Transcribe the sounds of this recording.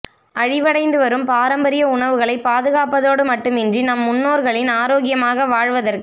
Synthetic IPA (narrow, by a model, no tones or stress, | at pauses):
ɐɻɪʋɐɽɐɪnd̪ɯʋɐɾɯmpaːɾɐmbɐɾɪjɐʊɳɐʋɯɣɐɭɐɪpːaːðɯɣaːpɐðoːɽɯmɐʈːɯmɪndrinɐmːʊnːoːɾɣɐɭɪnaːɾoːɣɪjɐmaːɣɐʋaːɻʋɐðɐrkɯ